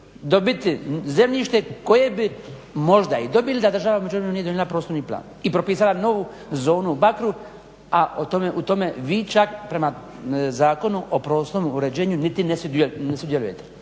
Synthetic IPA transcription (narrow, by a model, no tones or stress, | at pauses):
d̪o̞bit̪ize̞mʎiʃt̪eko̞je̞bimo̞ʒd̪aid̪o̞bilid̪ad̪r̩ʒaʋaumed͡ʒuɾenunijeojelapɾosoɾniːpla̰ːnipɾopiːsalano̞ʋu | zo̞ːnubakɾu | aʔot̪omeʔut̪o̞me̞ʋiːt͡ʃakpɾe̞mazaːko̞nuʔopɾoːsomuɾe̞d͡ʑe̞ːɲunit̪inesud̪enesud̪jelujet̪e